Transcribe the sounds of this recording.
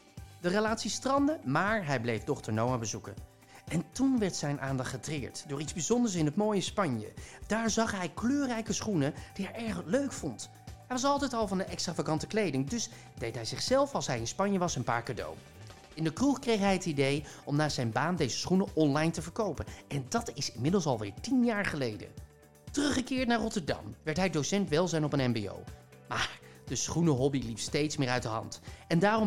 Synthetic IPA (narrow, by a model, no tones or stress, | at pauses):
dərəlaːtsistrɑndəmaːɹɦɛjblejfdɔχtəɹnowaːbəzukə̰n | ɛntunʋɛɹtsɛjnʔaːndɑχtχətrɪːɹtdʊːɹidzbizɔndəɹs̬ɪnɦətmoːjəspɑɲjə̰d̥aːɹzɑχɦɛjkløːrɛjkəsχunəd̥iɦɛɹɛɹχløɥkfɔnt | ɦɛjʋɑs̬ɑlˠtɛjtɑlˠvɑnənɛkstraːvakɑntəklejdɪŋdɵs | d̥ejtɦɛjzɪχsɛlˠfɑlˠsɦɛjɪnspɑɲjəʋɑsənpa̰ːɹkado̰w | ɪndəkruχkrejχɦɛjɦətidejɔmnaːz̥ɛjnbaːndejzə̥sχunəʔɔnlɑjntəvəɹkowpənɛndɑtɪsɪnmɪdəlˠsɑlˠʋɪ̰ːɹtinjaːɹχəlejdə̰ | tərɵχːəkɪːɹtnaːɹrɔtəɹdɑ̰mʋɛɹtɦɛjdowsɛntʋɛlˠzɛjnɔpənɛmbḛo̰w | maːɹ | d̥əsχunəɦɔbilipstejtsmɪːɹœɥtdəɦɑ̰ntɛndaːrɔm